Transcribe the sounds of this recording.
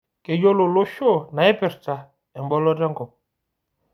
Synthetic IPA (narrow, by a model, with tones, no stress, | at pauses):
ke˨jo˦lo˨lo˦ʃo˦˨na˨i˦pɛ˨ɾta˨ | ɛ˨m˨bɔ˦lɔ˦da˦ŋɡɔ˨p̚